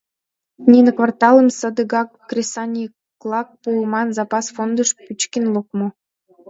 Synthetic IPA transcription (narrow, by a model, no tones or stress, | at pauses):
nʲinɤkvɑrt̪ɑlə̆msɤ̆d̪ə̆ɡɑkːrʲesɑnʲi | klˠɑk̚pumɑnzɑpɑsfond̪əʃpyt͡ɕkʲinlˠok̚mɤ̆